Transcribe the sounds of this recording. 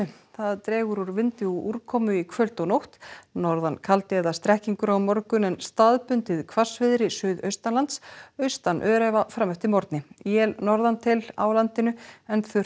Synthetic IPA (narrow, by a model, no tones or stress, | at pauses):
θaðt̪ɾɛːɣʏɾuɾvɪnt̪ɪɔʔuɾkʰɔːmʏikʰvœlt̪ɔnowht̪nɔɾðankʰalt̪ɪɛðast̪ɾɛhciŋkʏɾawmɔɾkʏnɛnst̪aðpʏnt̪ɪðkʰvḁsvɪðɾɪsʏːðœ̰ɥst̪anlant̪sœɥst̪anʔœːɾɛvafɾamœht̪ɪmɔɾt̪nɪjjɛlnɔɾðant̪ʰɪla̰wlant̪ɪnʏɛnθʏ